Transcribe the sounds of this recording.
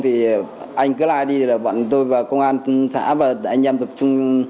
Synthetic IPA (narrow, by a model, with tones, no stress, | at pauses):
t̪ʰi˨˩ | ʔa˧jŋ̟kɨ˨˦la̰ː˧˨jɗi˧e˨˩laː˨˩va̰˧˨nt̪o˧jvaː˨˩kə˧wŋ͡mŋʔaː˧n˧sa̰ː˧˥vaː˨˩˨ʔa˧jŋʔɛ˧mt̪ə˨˩p̚t͡ɕʊ˧ŋ͡m